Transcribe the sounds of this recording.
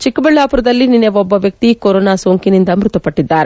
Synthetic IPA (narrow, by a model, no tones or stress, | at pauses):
t͡ʃikːɐbɐɭːaːpuɾɐd̪ɐlːinineʋɔbːɐʋjɐk̚t̪ikoɾoːnaːsoːŋkinind̪ɐmɾut̪ɐpɐʈːid̪ːaːɾe